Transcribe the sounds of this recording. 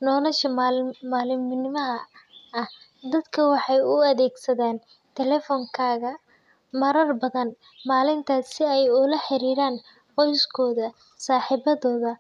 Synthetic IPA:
nɔːlɐʃɐmmaːlɪmnɪmɐɦɐɐh | d̪ɐd̪kʰɐwɑħɑjʊɐðɛːɡsɐðaːn | t̪ʰɛlɛfɔːŋkʰaːɣɐ | mɐɾɐrbɐðɐn | maːlɪnt̪ʰaːsɪɛjʊlɐħɪɾiːɾaːn | qɔjskʰɔːðɐ | saːħiːβɐðɔːðɐ

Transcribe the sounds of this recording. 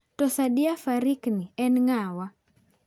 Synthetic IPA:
tɔsaɗiafaɾikniɛnŋawa

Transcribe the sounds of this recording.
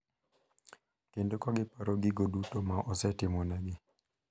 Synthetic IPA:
kendokɔɡɪpaɾoɡɪɡodutomaʔɔsɛtɪmɔnɛɡɪ

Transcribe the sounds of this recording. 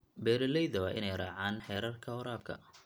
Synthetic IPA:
bɛːɾɐlɛjðɐwɑːʔɪnɛjraːʕaːnħɛːɾɐrkʰɐɔɾaːb̚kʰɐ̰

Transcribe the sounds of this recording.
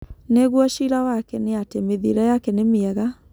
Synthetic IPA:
neɣwɔʃiɾawakɛneatemeðiɾɛjakɛnemeɛɣa

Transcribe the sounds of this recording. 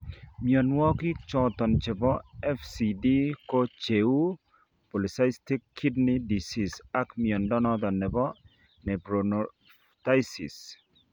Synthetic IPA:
miɔnwɔkit͡ʃɔt̪ɔnt͡ʃebɔɛfsidikot͡ʃeu | pɔlisajstikʰːidnidisisakmiɔnɖɔnɔd̪ɔnːebɔ | nebɾono | tajsḭs

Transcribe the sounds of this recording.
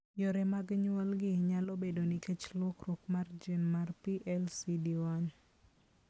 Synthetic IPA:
joɾɛmaɡɲwalɡɪɲalobedonikɛt͡ʃlɔkrʊkmard͡ʒinmarpiʔɛlsidiwan

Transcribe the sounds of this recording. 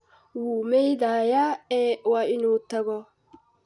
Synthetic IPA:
wuːmɛjd̪aːjaɛʔwaʔɪnuːt̪ːɐɡɔ

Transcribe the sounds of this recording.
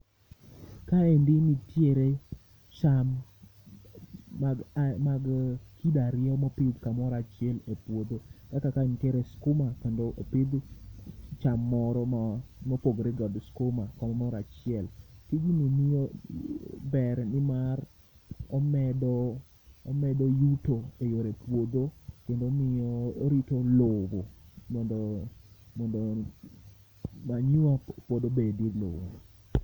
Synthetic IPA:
kaendɪnitjeɾe | t͡ʃam | maɡkidaɾɪɔmɔpɪd̪kamɔɾat͡ʃɪɛlepwod̪okakakaenɪtjeɾeskʊmakendoʔopɪd̪ | t͡ʃamːɔɾɔmɔpoɡɾɛɡɔd̪skomakɔmɔmɔɾat͡ʃɪɛlkiɡinimio | bɛɾnɪmar | ɔmɛdɔː | mɛdojutoejoɾepwod̪okendomɪjɔɾitolobomɔndomɔndo | maɲuapod̪obedidlo̰bo

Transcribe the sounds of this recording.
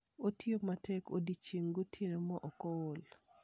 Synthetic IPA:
otjomatɛko̰dit͡ʃiŋɡotʰiɾemɔʔɔkool

